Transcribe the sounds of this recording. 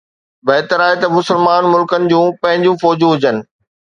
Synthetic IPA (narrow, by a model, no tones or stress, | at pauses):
bɐɦɪt̪əɾaːɦet̪ɐmʊsəlmaːnmʊlkənɪ̆d͡ʑũːpɐ̃ɦɪ̃ɲd͡ʑũfɔːd͡ʑũɦʊd͡ʑənɪ̆